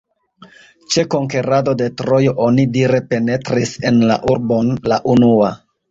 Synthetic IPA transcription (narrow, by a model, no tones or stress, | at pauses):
t͡ʃe̞ko̞ŋke̞ɾado̞de̞tɾo̞jo̞ʔo̞nidiɾe̞pe̞ne̞tɾise̞nla̰ʔuɾbo̞nlaʔunua